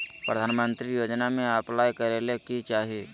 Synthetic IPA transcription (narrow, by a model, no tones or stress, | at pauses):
pɾəd̪ʱaːnmə̃nt̪ɾijoːd͡ʒnamẽaplaːjkəɾelekit͡ʃaːɦie